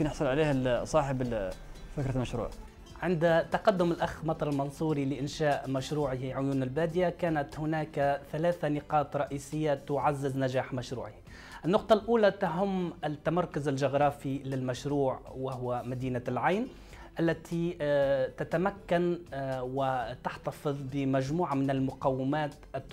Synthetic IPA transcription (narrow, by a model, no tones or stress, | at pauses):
mkɪnjɪħsˤʊlʕaleːhsˤɑːħɪb | fɪkɾɑlmaʃɾṵːʕ | ʕɪnd̪at̪ɑqɑd̪ːʊmɪlʔaxmɑt̪ˤɑɾˤɪlmɑnsˤuːɾilɪʔɪnʃaːʔmaʃɾuːʕɪhʕʊjuːnɪlbaːd̪ɪjakaːnat̪hʊnaːkθalaːθanɪqɑːt̪ɾˤɑʔiːsɪjːat̪ʊʕazːɪznaʒaːħmaʃɾṵːʕɪh | ʔɪnːʊq̚t̪ˤɑlʔuːlat̪aɦʊmːɪt̪ːamɑɾˤkʊzɪlʒʊɣɾˤɑːfilɪlmaʃɾuːʕwahʊwamad̪iːnalʕajn | ʔalːæt̪ʰi | t̪at̪amakːanwɪt̪aħt̪ɑfɨðˤbɪmæʒmuːʕamɪnɪlmʊqɑwːɪmaːt̪ʔɪt̪ː